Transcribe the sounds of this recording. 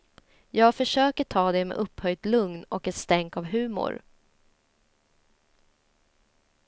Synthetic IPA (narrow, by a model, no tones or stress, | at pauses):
jɑːɡfœʂøːkəʈʰɑːd̪ɛmɛ̰ʔɵphœjd̪lɵŋnɔkɛt̪st̪ɛŋkavɦʉ̟ːmʊ̰ɾ